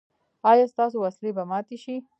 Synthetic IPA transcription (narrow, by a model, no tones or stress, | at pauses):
ɑjɑst̪ɑs̬owaslebamɑt̪eʃi